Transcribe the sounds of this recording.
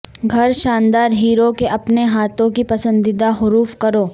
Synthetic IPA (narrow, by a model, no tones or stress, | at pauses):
ɡʱɐɾʃãːnd̪aːɾɦiːɾokeʔɐpneɦaːt̪õkipɐsə̃nd̪ɪd̪aɦʊɾuːfkɐɾoː